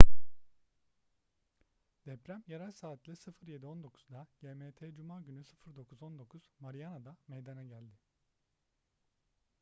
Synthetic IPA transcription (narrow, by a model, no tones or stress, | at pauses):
d̪̥ɛpɾæmjeɾalʲsaːt̪ʰlʲˠɯsɯfɯɾje̞d̪io̞nd̪o̞kʰu̥zd̪aɟ̥eːmeːt̪ʰeːd͡ʒumaːɟynysɯfɯɾd̪o̞kʰuzo̞nd̪o̞kʰuz̥maɾijanad̪amejd̪anaɟælʲd̪ɪ